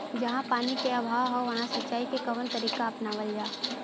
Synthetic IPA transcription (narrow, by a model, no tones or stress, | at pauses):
d͡ʒɐɦãpaːnikeɐbʱaːwɦɔʋɐɦãsɐtːʃaːikekɐʋənt̪ɐɾiːkaɐpnaʋəld͡ʒaː